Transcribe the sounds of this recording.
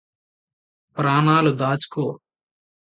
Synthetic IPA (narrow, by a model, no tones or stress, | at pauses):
pɾaːnaːlud̪aːt͡ʃkoː